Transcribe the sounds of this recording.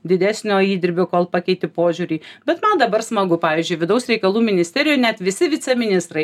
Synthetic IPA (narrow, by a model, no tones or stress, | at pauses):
d̪ʲɪd̪ʲæːsʲnʲoːiːd̪ʲɪɾʲbʲoːkoːlˠpɑkʲɛɪt̪ʲɪpoːʒʲuːɾʲiːbʲɛt̪mɐnd̪ɐbɐrsmɐɡʊpɑːʋʲiːzʲd͡ʒʲʊɪʋʲɪd̪ɐʊsɾʲɛɪkɐlˠuːmʲɪnʲɪsʲt̪ʲæːɾʲɪjoːnʲæt̪ʋʲɪsʲɪʋʲɪt̪sʲɛmʲɪnʲɪst̪ɾɐɪ